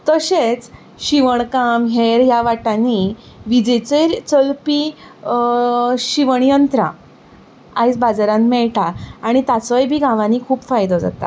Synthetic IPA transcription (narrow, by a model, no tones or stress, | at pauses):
t̪əɕet͡s | ɕiʋəɳkamɦeɾjaʋaʈani | ʋid͡ʑet͡set͡səlpi | ɕiʋəɳ̃jənt̪ɾa̰ | ajt͡sbad͡zaɾãnmɛɭʈaːɽ̃it̪at͡səjbʱiːɡʱãʋãnikʰuːpfajd̪ɔd͡za̰t̪a̰